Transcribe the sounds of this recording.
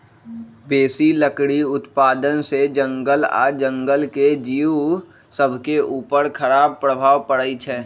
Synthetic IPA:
beːsiləkɽiʊt̪paːd̪ənsed͡ʒə̃ŋɡəla̰ːd͡ʒə̃ŋɡəlked͡ʒiːu | səbʱkeʔuːpəɾkʰəɾaːb̚pɾəbʱaːʋpəɽəit͡ʃʰɛː

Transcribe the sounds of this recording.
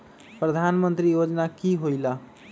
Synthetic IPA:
pɾəd̪ʱanmənt̪ɾijod͡ʒnakiɦojla

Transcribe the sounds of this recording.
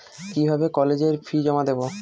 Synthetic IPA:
kibʱabekɔled͡ʑeɾfʰid͡ʑɔmad̪ebo

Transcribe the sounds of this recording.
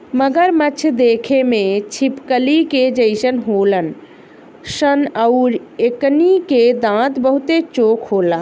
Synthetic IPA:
məɡəɾmət͡ʃʰd̪ekʰemet͡ʃʰipkəliked͡ʒəɪsənɦolən | sənəʊɾekniked̪ãt̪bəɦut̪et͡ʃokʰɦoːla

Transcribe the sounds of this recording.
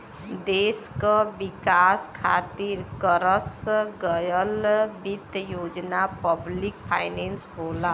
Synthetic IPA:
d̪eskʌbikaskʰa̰t̪iɾkəɾəsɡʌjəlbit̪jod͡ʒnapəblikpʰajnensɦola

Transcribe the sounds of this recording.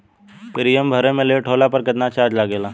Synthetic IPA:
pɾijəmbʱəɾẽmẽleʈʰoːlapɐɾkɪt̪nat͡ʃaːd͡ʒlaɡeːlaː

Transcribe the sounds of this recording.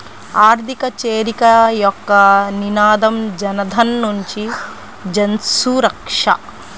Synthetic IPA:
aːɾt̪ikɐt͡ʃeːɾikɐjɔkːɐninaːd̪ɐmd͡ʒɐnɐd̪ʱɐnːuɲt͡ʃi | d͡ʒɐnsuːɾɐkʂɐ̰

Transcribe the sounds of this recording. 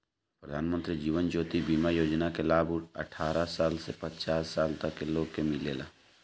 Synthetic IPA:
pɾəd̪ʱaːnmə̃nt̪ɾid͡ʒiːʋənd͡ʒoːt̪ibiːmajoːd͡ʒnakelaːbuʈə̰ʈʰaːɾasaːlsepət͡ʃaːsːaːlt̪əkːeloːɡkemɪleːla̰ː

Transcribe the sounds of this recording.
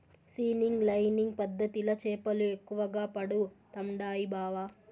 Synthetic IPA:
siːniŋɡlɐjniŋɡ̚pɐd̪ːɐt̪ilɐt͡ʃɛːpɐluekːuʋɐɡaːpɐɽut̪ɐmɖaːjibʱaːʋaː

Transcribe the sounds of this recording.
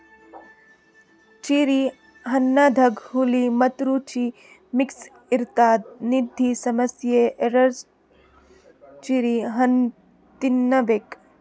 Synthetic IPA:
t͡ʃiɾi | ɦɐnːad̪ʱɐɡɦulimɐt̪ɾut͡ʃi | miks | iɾt̪aːd̪̚nid̪ʱːisɐmɐsjeʔeɾɐɾs | t͡ʃiɾiɦɐn | t̪inːɐʋek

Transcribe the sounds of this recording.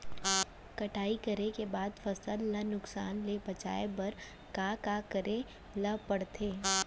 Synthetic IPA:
kɐʈʰaːikɐɾekebaːd̪fɐsəlːɐnʊksaːnlebɐt͡ʃa̰ːebɐɾ | kaːkakəɾe | lɐpɐɽt̪ʰeː

